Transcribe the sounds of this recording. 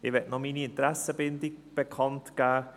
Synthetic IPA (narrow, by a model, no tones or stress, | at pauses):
ɪʋɛtnɔmiːniɪntɾæsəbɪndɪɡ̚b̥ekʰɑntɡ̥æː